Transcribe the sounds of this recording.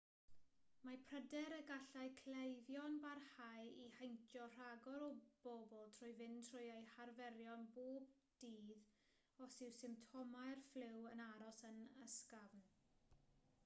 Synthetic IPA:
mapʰr̥ədɛɾəɡaɬaɨkʰlejðjɔnbarhajihejntʰjɔr̥aɡɔɾɔb̥obɔlˠtʰrʊjvɪntʰrʊjejharvɛɾjɔnboːb̚ | d̥iːð | ɔsɪwsɪmptʰɔmajrflɪwənaɾɔsənəskavn

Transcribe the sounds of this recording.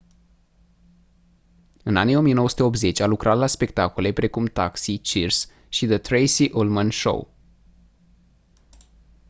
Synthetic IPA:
ɨna̰nijo̞mijenowəsut̪eo̞p̬̪̚ze̞t͡ʃʲalukɾʔat̪laspe̞k̚t̪akule̞pɾe̞kumt̪aksit͡ʃirs | ʃid̪ət̪ɾejsiʔulmənʃo̰w

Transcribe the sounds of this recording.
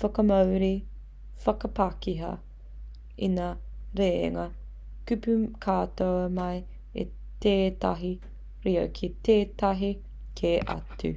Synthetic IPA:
fɐkɐmɐwɾi | fɐkɐpakiɦɐ̰ | inaɾḛːŋɐ | kʉpʉkʰaːtowɐmɐj | ḛ | teːtɐɦi | ɾiɐ̰kʰiteːtɐɦi | kʰeʔɐ̰tʉ̰

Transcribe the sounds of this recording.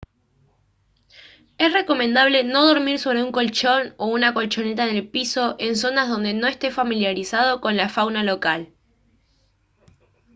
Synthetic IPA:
e̞sre̞ko̞mẽ̞nd̪aβle̞no̞ð̞o̞ɾmiɾso̞βɾe̞uŋko̞lt͡ʃo̞no̞unako̞lt͡ʃo̞ne̞t̪aenelpiso̞ʔe̞ns̬o̞nazðo̞nd̪e̞no̞est̪e̞familjaɾisað̞o̞ko̞nlafawnalo̞kal

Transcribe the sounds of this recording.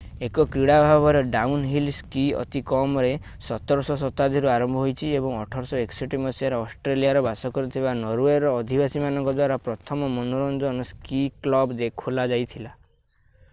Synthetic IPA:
ekɔkɾiɽabʱabɔɾeɖaunɦilskiɔ̰t̪ikɔmɔɾe | sɔt̪ɔɾɔsɔsɔt̪ad̪ʱiɾuaɾɔmbʱɔɦojt͡ʃʰiebɔŋɔʈʰɔɾsɔeksɔʈimɔsiaɾeɔsʈɾelijaɾɔbasɔkɔɾut̪ʰibanɔɾueɾɔːd̪ʱibasimanɔŋkɔd̪waɾapɾɔt̪ʰɔmɔmɔnoɾɔnd͡ʒɔnɔskiklɔbd̪ekʰulad͡ʒajt̪ʰila

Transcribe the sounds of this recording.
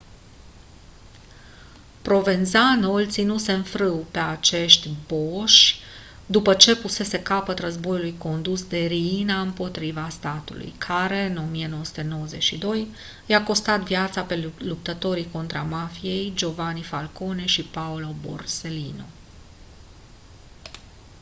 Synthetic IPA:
pɾo̞ve̞nzanolt̪sinuse̞nfɾɨwpe̞at͡ʃe̞ʃt̪ʲbo̞ʃʲ | d̪upət͡ʃe̞puse̞se̞kapət̪rəzbo̞julujko̞nd̪usd̪e̞ɾiinaɨmpo̞t̪ɾivast̪at̪ṵlṵjkʰaɾe̞ɨno̞mijeno̞wəsu̥t̪e̞nowəze̞t͡ʃʲʃid̪o̞j | jako̞st̪at̪viat̪sape̞lup̚t̪ət̪o̞ɾiko̞nt̪ɾamafije̞jd͡ʒo̞vanifalko̞ne̞ʃipaulo̞bo̞̰rse̞lino̰

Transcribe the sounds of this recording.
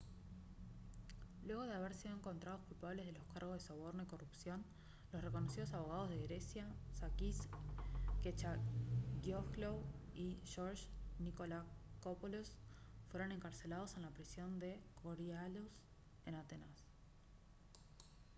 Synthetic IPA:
lwe̞ɣ̞o̞ð̞eaβeɾsiðoeŋko̞nt̪ɾað̞o̞skulpaβle̞zð̞elo̞skaɾɣozðeso̞β̞o̞ɾno̞iko̞rupsjo̞n | lo̞sreko̞nosið̞o̞s̬aβ̞oɣ̞að̞o̞zð̞eɣɾesjasakis | ket͡ʃaɣjoklowiʃoɾʃnikolakopolosfwe̞ɾo̞ne̞ŋkaɾse̞lað̞o̞senlapɾisjo̞nd̪e̞koɾjalos | e̞nat̪enas

